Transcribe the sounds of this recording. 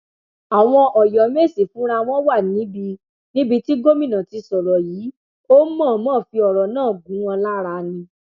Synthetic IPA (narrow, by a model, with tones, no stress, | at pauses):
a˨w̃ɔ̃˧ʔɔ˨jɔ˨˦me˦˨si˨fũ˨˦ɾa˧w̃ɔ̃˦wa˦˨nĩ˨˦bi˧ | nĩ˦bi˧ti˦ɡo˦mĩ˦˨nã˨ti˧sɔ˨ɾɔ˨jiː˨˦ | o˦mɔ̃˦˨˦mɔ̃ː˦˨fi˧ɔ˨ɾɔ˨nãː˦˨ɡũ˨˦ɔ̃˧la˦ɾa˧nĩ˧